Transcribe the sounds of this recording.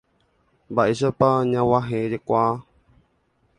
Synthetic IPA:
baisəpaɲãwaɦẽɾekʷwa

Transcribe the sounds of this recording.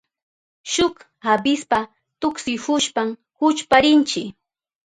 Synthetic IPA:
ʃʊk | habɪspa | t̪ʊksɪhʊʃpam | hʊt͡ʃpaɾɪnt͡ʃɪ

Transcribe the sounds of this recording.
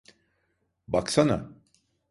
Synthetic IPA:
baksana̰

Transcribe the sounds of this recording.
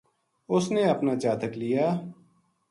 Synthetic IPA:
ʊsneːəpnaːt͡ʃaːt̪ʰəklɪjaː

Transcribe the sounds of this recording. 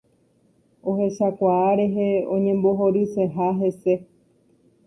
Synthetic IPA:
o̞ɦe̞ʃakʷaːɾe̞ɦeõɲẽ̞mbo̞ɦo̞ɾise̞ɦaɦe̞se̞

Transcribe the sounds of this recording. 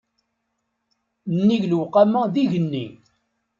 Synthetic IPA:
nːiʝlwqamæðiʝənːḭ

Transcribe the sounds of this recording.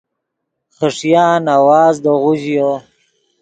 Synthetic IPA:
χəʂjaːnawaːzd̪əʁʊʑjo

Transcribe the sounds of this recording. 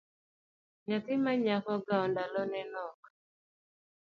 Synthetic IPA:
ɲat̪ɪmaɲakɔɡaɔndalɔnɛnɔk

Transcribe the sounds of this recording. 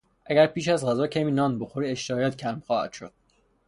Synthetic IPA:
ʔæɟæɾpiːʃæzɢæzɒːcʰæmiːnɒːnboxoɾiːeʃt̪eɒːjæt̪cʰæɾmxɒːhæ̰d̪̥ʃo̰d̪̥̚

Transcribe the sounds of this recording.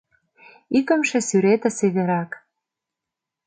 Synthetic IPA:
ikə̆mʃĕsyɾet̪ĕseβeɾɑk

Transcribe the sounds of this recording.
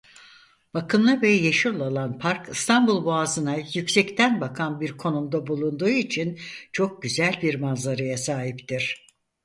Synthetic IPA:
b̥akɯmlˠɯvɛjeʃulˠalˠanpʰaɾkʰɯst̪ʰanbulˠbuazɯnajycsɛct̪ʰænbakʰanbiɾkʰo̞numd̪abulˠund̪uːit͡ʃʰint͡ʃʰo̞k̚ɟyzælʲbiɾmanzaɾajasaːɦipt̪iɾ̝̥

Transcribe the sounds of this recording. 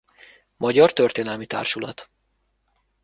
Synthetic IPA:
mɒɟɒrt̪ørt̪eːnɛlmit̪a̰ːrʃulɒ̰t̪

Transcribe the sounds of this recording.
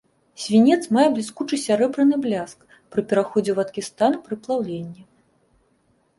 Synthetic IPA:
sʲvʲinʲɛt̪smajɛblʲiskut͡ʂɨsʲaɾɛbɾɨnɨblʲask | pɾɨpʲɛɾaxɔd͡zʲɛwɐt̪kʲist̪anpɾɨplˠawlʲenʲːi

